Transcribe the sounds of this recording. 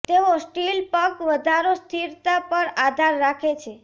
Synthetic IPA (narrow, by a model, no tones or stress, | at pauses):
t̪eʋosʈilpəkʋəd̪ʱaɾost̪ʰiɾt̪apəɾad̪ʱaɾːakʰet͡ʃʰe